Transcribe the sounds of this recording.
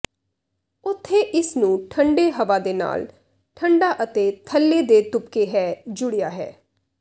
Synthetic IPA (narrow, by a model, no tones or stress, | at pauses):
ʊt̪ʰːeːʔɪsnũːʈʰəɳɖeːɦəʋaːd̪eːna̰ːl | ʈʰəɳɖaːʔət̪eːt̪ʰəlːeːd̪eːt̪ʊpkeːɦɛːd͡ʒʊɽejaːɦɛ̰ː